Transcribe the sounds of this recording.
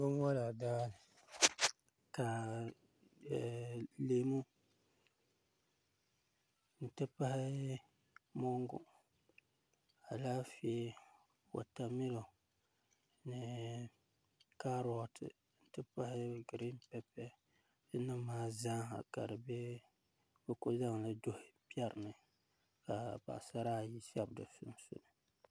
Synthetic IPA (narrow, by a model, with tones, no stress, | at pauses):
bo˦ŋ˦ɔ˦la˨daː˦lɪ˨ | ka˨ | le˨mu˦ | n̩˨tɨ˦pa˦hɪ˦ | mɔ˦ŋɡʊ̰˨ | a˨laː˦fe˦ | wo̰˨ta˨mɪ˦lo˨ | nɨ˨ | ka˦ɾɔ˦tʰɨ̰˨ | n̩˦tɨ˦pa˦hɪ˦ɡɨ˨ɾi˦mpɛ˦pɛ˦ | dɨ˦nɨ˦mːaː˦zaː˦a̰˨ka̰˨dɨ˨bɛ˦ | bo˦kʊ˦za˦ŋlɨ˦do˦hɪ˨pi˦ɛ˦ɾɨ˨nɨ˨ | ka˨ba̰˨ʔsa˦ɾaː˦˨ji˦sa˦bdɨ˨sʊ̰˦n˦sʊ̰˦nɨ˨